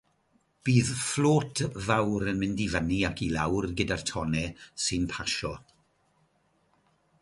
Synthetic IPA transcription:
b̥iːðfloːtʰvawɾənmɪndivəniakʰilawrɡədartʰɔnɛsɨnpʰaʃɔ

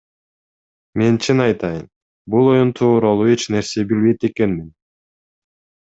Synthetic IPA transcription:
me̞nt͡ʃʰinɑjt̪ʰɑjɯm | bulˠo̞junt̪ʰuːɾɑlˠue̞t͡ʃne̞ɾse̞bilβe̞jt̪e̞ke̞nmin

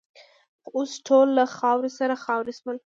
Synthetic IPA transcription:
osʈʰolːaxɑwɾesaɾaxɑwɾesməl

